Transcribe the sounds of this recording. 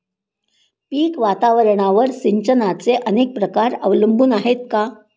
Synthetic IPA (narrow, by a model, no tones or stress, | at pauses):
piːkʋat̪aʋəɾɳ̃aʋəɾsiɲt͡ɕənat͡seʔənek̚pɾəkaɾə̰ʋləmbuːnaɦet̪̚ka